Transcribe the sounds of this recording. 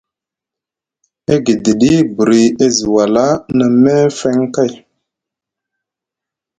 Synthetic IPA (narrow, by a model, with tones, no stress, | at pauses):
e˦ɡi˨di˨ɗi˦bi˨ɾi˨e˦zi˨wa˨la˦na˨me˦fe˦ŋka˦j